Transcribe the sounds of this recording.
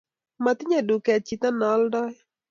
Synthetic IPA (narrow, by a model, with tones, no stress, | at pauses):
ma˨t̪ɪ˦ɲa˦du˨kɛ˨t͡ʃi˨t̪a˦nɔ˨˦ldɔ˦j